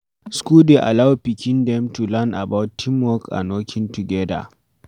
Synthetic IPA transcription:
skudeʔa̰lawpikʲindɛmtulana̰bawtʰːimːɔka̰nokʰʲɪntuɡɛda̰

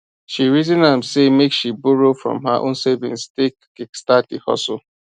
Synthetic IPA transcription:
ʃiɾizĩnamsemekʃiboɾofɹɔ̰̃mɦaʔõ̰nsevɪ̰̃nstekːɪkstatihɔ̰so

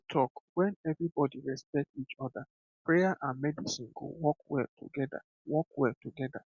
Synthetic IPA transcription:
tʰɔkwɛ̃nɛvɹibɔdiɹɛspɛk̚tit͡ʃɔda | pɹejaʔãnmɛdisĩnɡo̰wɔkwɛ̰ltʰṵɡɛda̰ | wɔkwɛltuɡɛda̰

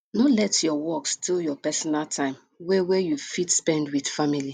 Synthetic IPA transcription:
nɔlɛtjɔwɔkstiljɔpɛsɔnaltʰãɪ̃m | wewejufitspɛ̃ndwid̥famili

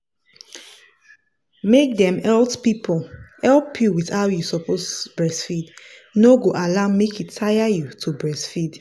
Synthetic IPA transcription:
mek̚dɛ̃mɛltpipʰɔlɛlpʰjuwiðaʊjusɔposb̥ɹɛsfid | noɡoʔalamːekitːʰajajutʰubɹɛsfid

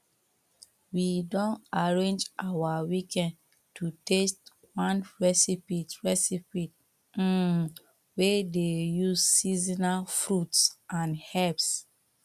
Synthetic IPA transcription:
widɔ̃ntaɹẽnd͡ʒʔawawikɛ̃nd | tutest | wãnɹɛsipitɹɛsipit̩ | wedejuzsizinafɹutsʔãnhɛps

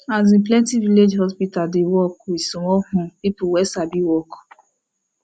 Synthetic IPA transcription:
azĩnplɛ̃ntiviled͡ʒhɔspitadewɔkisũɔhũpipuwɛsabiwɔk

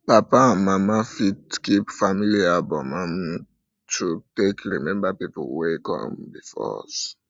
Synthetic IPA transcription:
papaãnmamafidkipfamiliabɔmãm | tʰutekɹimɛ̃mbapiplwekɔ̰̃mbifɔ̰s

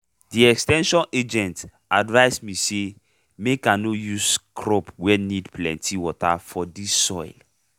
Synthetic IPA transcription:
diɛkstɛ̃nʃɔ̃ned͡ʒɛ̃nt | advaɪsmise | mekãnojuskʰɹɔpwɛnidpʰlɛ̰̃ntʰiwɔta̰fɔdisːɔjl

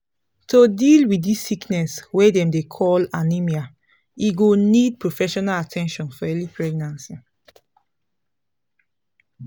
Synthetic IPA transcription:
tʰodilwiissiknɛswedɛ̃mdekʰɔlanimia | iɡonid̚pʰɹofɛʃɔnalatʰɛ̃nʃɔ̃nfɔɛlipʰɹɛɡ̚nãnsi

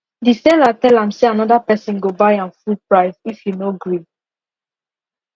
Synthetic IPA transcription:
disɛlatɛlãmseanɔdapɛsĩnɡobajãnfulpɹaɪvifjunoɡɹĩ

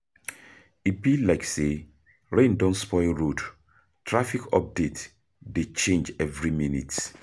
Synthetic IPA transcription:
ipilaɪkse | ɹẽndɔ̃ntspɔɪlɹod | tʰɹafikʰɔ̰p̚det | det͡ʃẽnd͡ʒɛvɹiminḭts

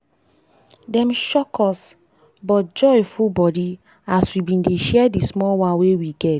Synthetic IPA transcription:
dɛ̃mʃɔkɔs | bɔt̚d͡ʒɔfubɔdi | aswibĩndeʃɛɛdismɔwãnwewiɡɛt

